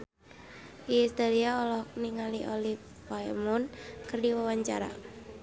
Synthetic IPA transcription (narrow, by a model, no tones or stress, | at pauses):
ist̪aliaɔlɔhk̚niŋaliʔɔlif | aɛmɔnkɨrdiwawaɲt͡ʃa̰ɾa̰